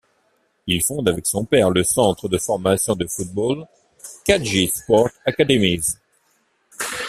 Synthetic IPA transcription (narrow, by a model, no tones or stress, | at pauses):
ilfɔ̃d̪avɛksɔ̃pɛʁləsɑ̃t̪χəd̪əfɔʁmasjɔ̃d̪əfut̪̚bol | kaʒispɔʁt̪akad̪emiz